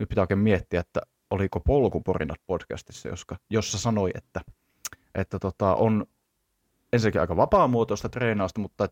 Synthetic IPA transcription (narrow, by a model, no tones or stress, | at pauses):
nyt̪pit̪æˑoˑikeːmmiet̪ːiæet̪ːæ̰ | olikopolkuporḭnɑt̪̚podkæ̰st̪i̥sːæ̰jo̰skɑjosːɑsɑnoiḛt̪ːæ | ʔet̪ːæt̪ot̪ɑʔon | ensinækiɑ̰ˑikɑʋɑpɑˑmuot̪ost̪ɑt̪reːnɑːst̪ɑmut̪ːɑet̪